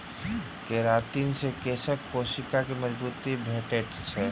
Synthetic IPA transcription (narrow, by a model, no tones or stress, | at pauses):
keɾaːt̪iːnsekesəkkoːʃɪkakemɐd͡ʒbuːt̪ibʱeːʈeʈt͡ʃʰɛ